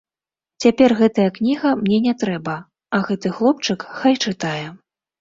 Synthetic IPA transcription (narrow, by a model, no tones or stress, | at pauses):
t͡sʲapʲɛrɣɛt̪ɐjɐknʲiɣɐmnʲɛnʲɛt̪ɾɛbɐ | ɐɣɛt̪ɨxlˠɔp̚t͡ʂɨkxajt͡ʂɨt̪ajɛ